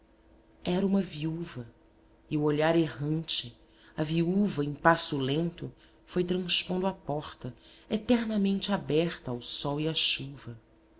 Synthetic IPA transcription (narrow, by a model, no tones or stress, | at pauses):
ɛɾɐũmɐviuvɐ | ɪʊoʎaɾeɦɐ̃nt͡ʃɪ | ɐviuvɐẽj̃pasʊlẽnt̪ʊ | fojt̪ɾɐ̃spõnd̪ʊapɔχt̪ɐet̪ɛɾnɐmẽnt͡ʃɪabɛχt̪ɐːwsɔwiaʃuvɐ